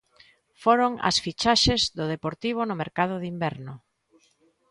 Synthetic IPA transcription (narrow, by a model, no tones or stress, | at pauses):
foɾoŋɐ̰sfit͡ʃaʃezðʊðepoɾt̪iβ̞ʊnʊmeɾkað̞ʊðimbɛɾnʊ